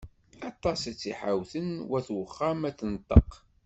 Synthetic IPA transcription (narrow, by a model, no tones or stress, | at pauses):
ɑt̪ˤːɑsæt͡sːḭħa̰wθənwæθwəχːamæθənt̪ˤːəq